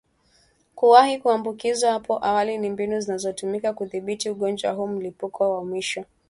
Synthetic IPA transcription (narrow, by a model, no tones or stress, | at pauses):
kuwahikuambukizwahapɔʔawalinimbinuzinazɔtumikakuðiɓitiuɠɔnd͡ʒwaɦuːm̩lipukʰɔwamwiʃɔ